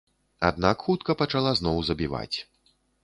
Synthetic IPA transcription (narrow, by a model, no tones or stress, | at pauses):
a̰d̪̚nakxut̪kɐpɐt͡ʂalˠaznɔwzɐbʲiva̰t͡sʲ